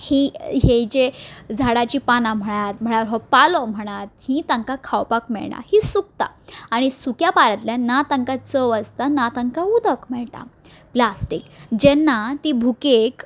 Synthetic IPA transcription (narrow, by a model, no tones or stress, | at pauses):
hiɦed͡ʑed͡zʱaɽat͡ɕiːpanãm̤əɽ̃at̪m̤əɽ̃aʋəɾɦɔpalɔm̤əɽ̃at̪̚hĩt̪aŋkakʰawpakmɛ̰ɭɳa̰hisuk̚t̪a̰aɽ̃isukjapaɾət̪ljanat̪əŋkat͡səʋəst̪anat̪əŋkaud̪ʱəkmɛɭt̪a̰ | plasʈikd͡ʑɛnːat̪ibʱukek